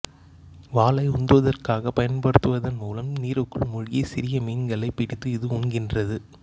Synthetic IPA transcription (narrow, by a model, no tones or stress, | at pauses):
ʋaːlɐɪʊnd̪ɯʋɐðɐrkaːɣɐpːɐjɐnpɐɽɯt̪ːɯʋɐðɐnmuːlɐmniːɾɯkːɯɭmʊɻɪjisɪɾɪjɐmiːnɡɐɭɐɪpːɪɽɪt̪ːɯɪðɯʊɳɡɪndrɐðɯ